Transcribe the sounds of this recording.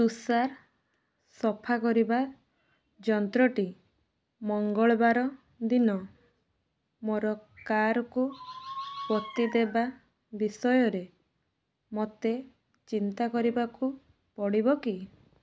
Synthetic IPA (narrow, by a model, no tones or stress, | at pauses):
susaɾ | sɔpʰakɔɾiba | d͡ʒɔnt̪ɾɔʈi | mɔŋɡɔɭɔbaɾɔ | d̪inɔ | moɾɔkaɾɔku | pɔt̪id̪eba | bisɔjɔɾe | mɔt̪e | t͡ʃint̪akɔɾibaku | pɔɽibɔki